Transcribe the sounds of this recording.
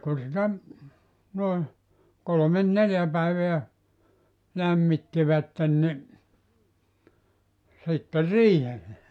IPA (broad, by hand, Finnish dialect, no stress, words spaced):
ku sitæ noe kolomen neljæ pæiʋeæ læmːitːiʋætːen ni sitːe riːhelːe